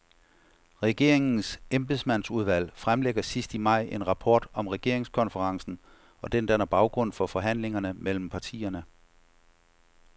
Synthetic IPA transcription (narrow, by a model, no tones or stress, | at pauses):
ʁɛɡ̥e̝̰ɐ̰eŋn̩semb̥esmænsuð̞ˠʋæl̰fʁamleɡ̥ɐsisd̥imɑ̈ɪ̰ʔe̝nʁɑ̈pʰɒ̰ːd̥ɒ̽mʁɛɡ̥e̝ɐe̝ŋskʰɒ̽nfəʁɑ̈ŋsn̩ | ɒ̽d̥end̥ænæɐb̥ɑ̈ʊɡ̥ʁɔ̽n̰fɒ̽fɒ̽ɦæn̰le̝ŋɐnəmel̰m̩pʰɑ̈t͡sʰḭːɐnə